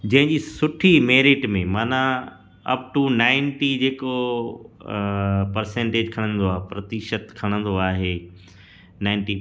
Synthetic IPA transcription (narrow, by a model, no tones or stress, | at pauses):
d͡ʑɐ̃ɦɪ̃ɲd͡ʑiːsʊʈʰimeːɾɪʈmẽmaːnã | ɐ̰p̚ʈunaːɪnʈid͡ʑeːko | pɐɾsẽːɳʈeːd͡ʑkʰɐɽ̃ə̃nd̪oaːɦepɾɐt̪ɪʃət̪kʰɐɽ̃ə̃nd̪oaːɦeː | naːɪnʈi